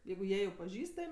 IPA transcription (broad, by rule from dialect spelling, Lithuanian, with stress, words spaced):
ˈjɛɪɡʊ ˈjiɛ jɛʊ pɐˈʒʲiːstɐmʲ